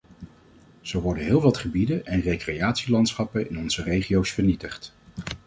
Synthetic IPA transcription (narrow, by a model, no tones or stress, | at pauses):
z̥owʋɔɹdənɦɪːlˠʋɑtχəbidənɛnrejkrejaːtsilɑntsχɑpənɪnɔnz̥ərejχiowsfəɹnitəχt